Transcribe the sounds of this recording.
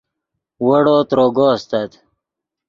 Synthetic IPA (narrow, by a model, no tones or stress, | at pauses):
wɐɽoːt̪ɾoːɡost̪at̪